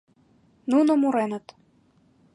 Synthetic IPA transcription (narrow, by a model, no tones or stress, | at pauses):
nunomuɾenə̆t̪